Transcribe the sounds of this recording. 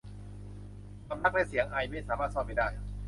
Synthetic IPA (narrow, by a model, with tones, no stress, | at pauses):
ka˧mna˦˥k̚lɛː˥˩si˨˩˦əŋʔa˧jma˥˩jsaː˩˦maː˥˩t̪̚sɔː˥˩p̚ːa˥˩jdaː˥˩j